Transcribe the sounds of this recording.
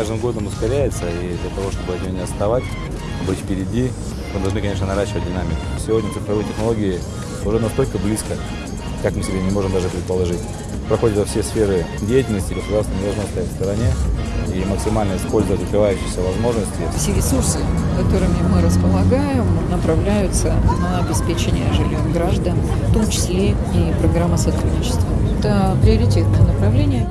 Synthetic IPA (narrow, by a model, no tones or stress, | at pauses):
kaʐd̪ɨmɡo̞d̪əmʊskɐɾʲæjɪt̪səid̪lʲɐt̪ɐvo̞ʂt̪o̞bɨɐt̪ʲɪjonʲɪɐst̪ɐvatʲ | bɨtʲfpʲɪɾʲɪdʲi | mɨd̪ɐlˠʐnɨkɐnʲe̞ʂ̬nənɐɾaɕːɪvət̚ʲdʲɪnamʲɪkʊ̥sʲɪvʲodʲnʲət̪ʲɪt̪pɾɐvɨtʲɪxnɐlˠo̞ɡʲɪɪ | ʊʐɛnɐst̪o̞lʲkəblʲiskə | kakmɨsʲɪbʲenʲɪmo̞ʐɨmd̪aʐɨpɾʲɪt̪̚pəlˠɐʐɨtʲ | pɾɐxo̞dʲɪt̪əfsʲe̞sfʲe̞ɾɨdʲejɪtʲɪlʲnəsʲtʲɪɡəsʊd̪aɾsnənʲɪd̪ɐlˠʐnost̪ɐjatʲfst̪əɾɐnʲe̞iməksʲɪmalʲnəjəɪspo̞lʲzəvətʲd̪əkɾʲɪvajʉɕːɪ̥xsʲəvɐzmo̞ʐnəsʲtʲɪfsʲeɾʲɪsursɨkɐt̪o̞ɾɨmʲɪmɨɾəspəlˠɐɡajɪmnəpɾɐvlʲæjʊt̪sənɐːbʲɪspʲet͡ɕɪnʲɪjəʐɨlʲjomɡɾaʐd̪ən | ft̪o̞mt͡ɕɪ̥sʲlʲe | ipɾɐɡɾamːəsɐt̪ɾud̪ʲnʲɪt͡ɕɪ̥st̪vəɛt̪əpɾʲɪɐɾʲɪtʲet̪̚nəjənəpɾɐvlʲenʲɪjə